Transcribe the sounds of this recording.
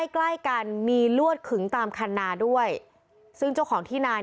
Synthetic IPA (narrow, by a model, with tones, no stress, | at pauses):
jkla˥˩jka˧nmiː˧lu˥˩ət̪̚kʰɯ˩˦ŋt̪aː˧mkʰa˧nːaː˧du˥˩əj | sɯ˥˩ŋt͡ɕa˥˩kʰɔː˩˦ŋt̪ʰiː˥˩naː˧